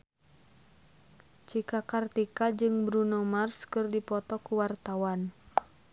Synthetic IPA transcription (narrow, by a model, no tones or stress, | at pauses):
t͡ʃikakart̪ikad͡ʒɨŋbɾunɔmarskɨrdipɔt̪ɔkuwart̪awan